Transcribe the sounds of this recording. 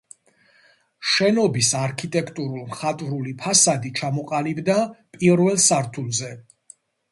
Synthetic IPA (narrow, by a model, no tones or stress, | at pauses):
ʃɛnɔbisaɾkʰit̪ʼɛkʰt̪ʼuɾulˠmχat̪ʼvɾulipʰasad̪it͡ʃʰamɔqʼalibd̪apʼiɾvɛlˠsaɾt̪ʰulˠzɛ